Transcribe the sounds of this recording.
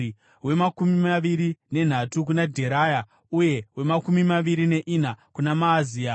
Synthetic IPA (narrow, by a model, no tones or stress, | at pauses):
i | we̞makumimaʋiɾine̞n̤atuk̬unadʱe̞ɾaja | uje̞we̞makumimaʋiɾine̞ʔinakunamaːziːa